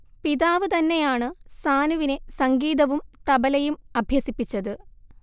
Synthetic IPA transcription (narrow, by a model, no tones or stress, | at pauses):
piðaːʋɨt̪ɐnːe̞jaːɳɨsaːnuʋine̞sɐŋɡiːðɐʋumt̪ɐbɐlɐjumɐbʱjɐsipːit͡ɕːɐðɨ